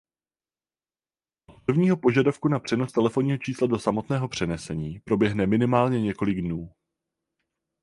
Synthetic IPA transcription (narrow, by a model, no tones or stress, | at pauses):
opr̩vɲiːɦo̞po̞ʒadafkunapr̝̥ɛno̞st̪ɛlɛfo̞nɲiːɦo̞t͡ʃiːslado̞samo̞t̪nɛːɦo̞pr̝̥ɛnɛsɛɲiːpɾo̞bjɛɦnɛmɪnɪmaːlɲɛɲɛko̞lɪɡdnuː